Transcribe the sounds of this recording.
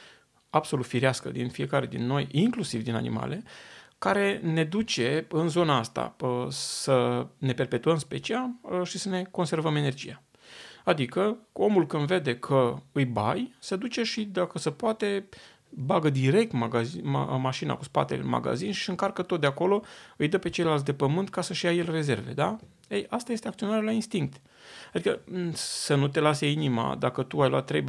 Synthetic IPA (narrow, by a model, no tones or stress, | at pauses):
ab̥so̞lut̪fiɾiaskə̰d̪infije̞kaɾe̞d̪inːo̞jiŋklusivd̪ina̰nḭma̰le̞kaɾe̞ne̞d̪ut͡ʃe̞ɨnzo̞naast̪a̰əsəne̞pe̞rpe̞t̪uəmspe̞̰t͡ʃialʃisəne̞ko̞nse̞rvəme̞ne̞rd͡ʒḭja | ad̪ikəo̞mulkɨnd̪ve̞d̪e̞kʰəɨjba̰jsed̪ut͡ʃe̞ʃid̪akəsəpoat̪e̞ | baɡəd̪iɾe̞k̚t̪m | maʃina̰kuspa̰t̪e̞̰lḛma̰ɡa̰zinʃi̥ɨŋkarkət̪ot̪̚d̪eako̞lo̞ɨjd̪əpe̞t͡ʃelelalt̪̬ʲd̪e̞pəmɨnt̪kasəʃijaje̞lre̞ze̞rve̞̰d̪a | ejast̪aje̞st̪eak̚t̪io̞naɾealainst̪iŋk̚t̪ | ad̪ikəsənut̪e̞laseinima̰d̪a̰kət̪uajlo̰a̰t̪ːɾe̞j